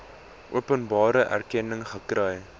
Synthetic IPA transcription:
ʔuəpənbɑːɾəʔæ̰rkɛnəŋχəkrəj

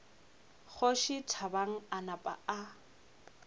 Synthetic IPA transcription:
χʊʃɪtʰabaŋ̩anapʼa̰a

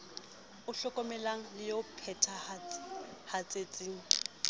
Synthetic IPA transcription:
ʊɬɔkʼɔmɛlaŋ̩lɪjopʰɛtʰa | hat͡sʼet͡sʼiːŋ̩

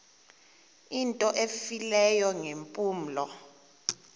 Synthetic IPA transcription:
intʼɔʔefilɛjɔŋempʼuːm̩lɔ

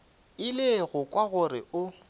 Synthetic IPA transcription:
ɪlɪɣʊkʼwaɣʊrɪʊ

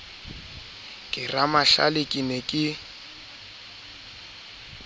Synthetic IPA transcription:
kʼɪramaɬa̰lekʼinekʼɪ

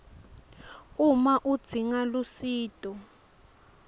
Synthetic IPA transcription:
umaʔud̥z̥ʱiŋalusiːtʼɔ

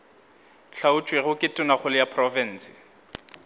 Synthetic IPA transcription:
ɬʰaʊt͡ʃʼweɣʊkʼɪtʼʊnaχʊlɪjapʰrɔfɛn̩ːsɪ̥

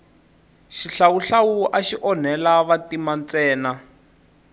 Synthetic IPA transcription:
ʃiɬawuɬawuʔaʃiʔɔn̤ɛlaβatimant͡sɛːna

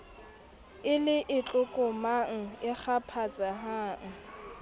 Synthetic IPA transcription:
ɪlɪʔɪt͡ɬʼʊkʼʊmaŋ̩ɪk͡xʰapʰat͡sʼaɦaːŋ̩

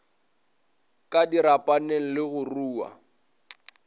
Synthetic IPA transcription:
kʼadiɾapʼaneŋ̩lɪɣʊruːwa̰

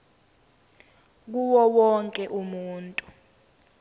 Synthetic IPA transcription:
k̬uwɔwɔŋkʼɛʔumuːntʼu

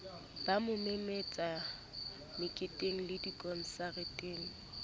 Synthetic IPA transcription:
b̥amʊmemet͡sʼa | mɪkʼɪtʼeŋ̩lɪdikʼɔn̩saretʼeːŋ̩

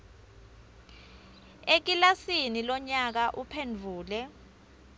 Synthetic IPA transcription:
ek̬ilasinilɔɲak̬aʔupʰend͡vʱuːlɛ

